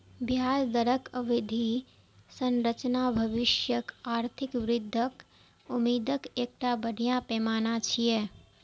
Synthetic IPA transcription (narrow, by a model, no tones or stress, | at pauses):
bʱjaːsd̪əɾəkəʋɪd̪ʱi | sə̃nɾət͡ʃnabʱəʋɪʃjəkaːɾt̪ʰɪkʋɾɪd̪ʱːək | ʊmiːd̪əkeːk̚ʈabəɽ̤ijãpɛːmaːnat͡ʃʰije